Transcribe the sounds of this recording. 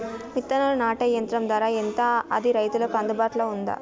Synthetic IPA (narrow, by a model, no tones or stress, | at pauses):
mit̪ːɐnɐlɐnaːʈɐjɐnt̪ɾɐmd̪aːɾaːent̪ɐɐ̰d̪iɾɐjt̪ulɐkɐnd̪ɐbaːʈlɐːund̪ɐ̰